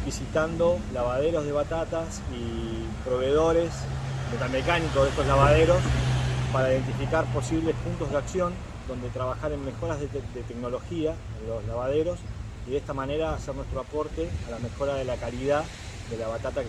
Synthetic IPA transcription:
bisit̪and̪o̞laβað̞eɾo̞zðe̞βat̪at̪as | i | pɾo̞β̞e̞ðo̞ɾe̞s | met̪almekanikoðest̪oslaβaðeɾo̞spaɾaiðe̞nt̪ifikaɾpo̞siβle̞spunt̪o̞zðeaksjo̞n | d̪o̞nd̪e̞t̪ɾaβaxaɾe̞nme̞xo̞ɾaðed̪et̪ekno̞lo̞xia | enlo̞slaβað̞eɾo̞s | iðest̪amane̞ɾaːsernwe̞st̪ɾoapo̞ɾt̪e̞alame̞xo̞ɾaðe̞lakaliða | d̪e̞laβat̪at̪ak

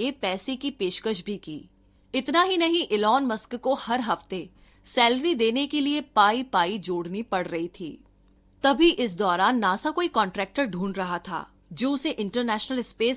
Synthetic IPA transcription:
epɛːsekipeːʃkəʃbʱikḭː | ɪt̪naɦinɐɦĩʔɪlɔːnmɐskkohɐɾɦɐft̪e | sɛːlɾid̪eːnekeliepaːipaːid͡ʒoːɽnipɐɽɾɐɦit̪ʰḭː | t̪ɐbʱiʔɪs̬d̪ɔːɾaːnːaːsakoːikɔ̃ːɳʈɾɛːk̚ʈəɾɖʱũːɳɾɐɦat̪ʰa̰ː | d͡ʒoːʊseʔɪ̃ɳʈəɾnɛːʃnəlɪspeːs

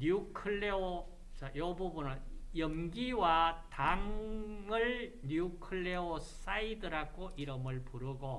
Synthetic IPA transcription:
ɲuukʰɯɭːeo | t͡ɕajʌbubunɯɭjʌmɡiwataŋɯɭɲuukʰɯɭːeos͈aidɯɾaɡoʔiɾɯmɯɭpuɾɯɡo

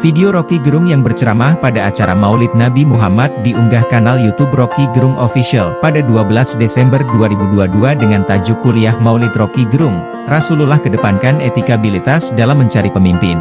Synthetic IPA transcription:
fideoɾokiɡəɾʊŋjaŋbərt͡ʃəɾamahpadaːt͡ʃaɾa̰maulɪt̪̚nabimuɦamat̪̚diʔuŋɡahkanaljut̪ubrokiɡəɾʊŋofisialpadaduabəlasdesɛmbərduaɾibuduaduadəŋant̪ad͡ʒukuliahmaulɪt̪rokiɡəɾʊŋ | rasululahkədəpankanet̪ikabilit̪asdalamːəɲt͡ʃaɾipəmimpɪn

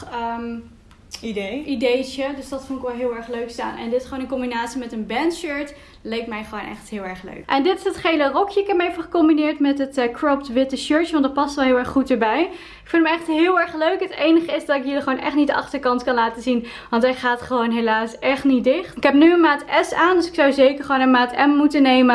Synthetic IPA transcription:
ididejt͡ʃədøsdɑtfʊŋtɪkʋɛlˠɦɪːlˠɛɹχløɥksta̰ːnɛ̰ndɪtɪ̥sχəoːnənkɔmbinaːtsimɛtənbɛntʃøɹt | lɛjk̚tmɛjχəʋownɛ̰χtɦɪːlˠɛɹχlø̰ɥkʔɛndɪtɪ̥sətχejlərɔkjəɪkɦɛpmejvəχəkɔmbinɪːɹtmɛtətkɹɔptʋɪtəʃøɹtjəʋɑndɑt̚pɑstʋɛlˠɦɪːlˠɛɹχχutəɹbɛj | ɪkfɪlˠməɛχtɦɪːlˠɛɹχløɥkɦətejnəχəɪzdɑtɪkjəliχəoːwnʔɛ̰χtnitdəʔɑχtəɹkɑntkɑnlaːtəzin | ʋɑntɛjχaːtχəʋownɦelaːsɛχtnitdɪχtɪkɦɛpnyənmaːtɛsaːndøsɪ̥ksɑwzejkəɹχʋownənmaːtɛmːutənejmə

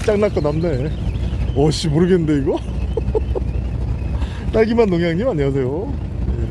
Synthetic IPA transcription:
t͡ɕ͈aŋnak͈ʌnamne̞ | ʌɕ͈imoɾɯɡenːɯnde̞iɡʌ | t͈aɭɡimanːoŋjaŋɲimaɲias̬ʰe̞jo | je

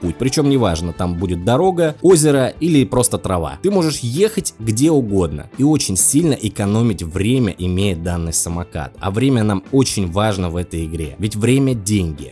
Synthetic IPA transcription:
putʲpɾʲɪt͡ɕo̞mnʲɪvaʐnət̪ambudʲɪt̪̚d̪ɐɾo̞ɡəo̞zʲɪɾəilʲɪpɾo̞st̪ət̪ɾɐva̰t̪ɨmo̞ʐɨʂje̞xətʲɡdʲe̞ʊɡo̞d̪nə̰io̞t͡ɕɪnʲsʲilʲnəʔɪkɐno̞mʲɪtʲvɾʲemʲə̰ʔɪmʲejɪt̪̚d̪anːɨjsəmɐka̰t̪ɐ̰vɾʲemʲənamo̞t͡ɕɪnʲvaʐnəvɛt̪əjɪɡɾʲe̞̰vʲɪtʲvɾʲemʲədʲenʲɡʲɪ̰

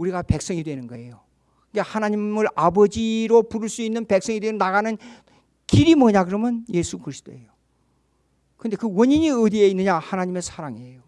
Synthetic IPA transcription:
uɾiɡape̞k̚s͈ʌŋidwe̞nɯnɡʌe̞jo | kɯɡehanaɲimɯɾabʌd͡ʑiɾopuɾɯɭs͈uinːɯnpe̞k̚s͈ʌŋidweɾonaɣanɯn | kiɾimʌɲaɡɯɾʌmjʌnje̞sʰukɯɾisʰt͈o̰e̞jo | kɯnde̞kɯwʌɲiɲiɯd̪ieinːɯɲahanaɲime̞sʰaɾaŋiejo

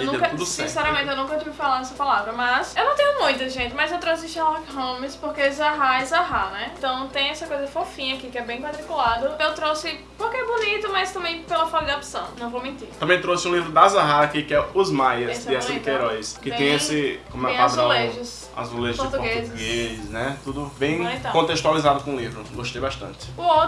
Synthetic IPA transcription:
nuɛ̃kɐt̪ud̪sĩsɛɾɐmẽt̪ɪewnũkɐot͡ʃ̪ivɪfalãɾd̪ɛsɐpalavɾɐmɐsewnɐ̃w̃t̪ẽjʊmũj̃t̪ɐʒẽt̪ɪmɐzewt̪ɾosɪʃɛlɔɾkɦõmɪspohkezaɦaɪzaɦanɛẽt̪ɐ̃w̃t̪ẽj̃ɛsɐkojzɐfofĩɲɐakikɪɛbẽj̃mat̪ɾikulad̪ɐewt̪ɾosɪ | pohkeɛbonit̪ʊmɐst̪ɐ̃mbẽj̃pelɐfɔkɐd̪ɐapi̥sɐ̃w̃nɐ̃w̃vowmẽnt̪iɾt̪ɐ̃mbẽj̃t̪ɾosɪũlivɾʊd̪azaɦakikɪɛʊzmajɐsɪasik̪eɾɔjskɪt̪ẽj̃esɪkõmɛ̃kad̪ɾãleʒɪs | a̰zuleʒpoɾt̪upoɡezɪɡesnɛt̪ud̪ʊbẽj̃t̪ɐ̃kõt̪eʃt̪ualizad̪ʊkõũlivɾʊɡoʃt̪ejbaʃt̪ɐ̰̃t̪ɪ̥uo

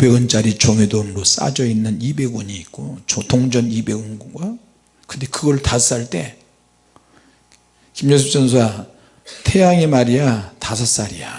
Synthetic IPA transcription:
be̞ɡɯnt͡ɕ͈aɾit͡ɕoŋedonɯɾos͈a̰d͡ʑʌinːɯnibe̞ɡuɲiːt̚k͈ot͡ɕotoŋd͡ʑʌnibe̞ɡunɡuɡwa | kɯnde̞kɯɡʌɭtas͈aɭt͈e̞ | kimd͡ʑʌsʰip̚t͡ɕʌnsʰoa | tʰe̞jaŋe̞maɾijatasʰas͈aɾija

